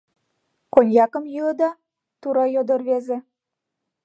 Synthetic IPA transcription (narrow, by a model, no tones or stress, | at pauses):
konʲjɑkɤ̆mjɯlɤ̆d̪ɑ | t̪uɾɑjod̪ɤ̆rβezĕ